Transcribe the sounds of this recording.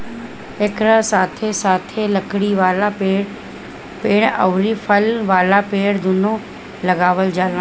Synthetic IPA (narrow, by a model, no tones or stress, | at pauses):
ekɾãsaːt̪ʰesaːt̪ʰelɐkɽiʋaːlapeːɽ | peːɽ̃ə̰ʋɾifʰəlʋaːlapeːɽd̪ʊnõ | lɐɡaːʋəld͡ʒaːlã